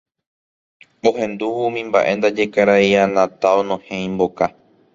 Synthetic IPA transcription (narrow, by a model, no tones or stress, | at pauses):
o̞ɦẽ̞nd̪uʋumĩmbaʔe̞nd̪ad͡ʒe̞kaɾajanãt̪aonõhẽĩmbo̞ka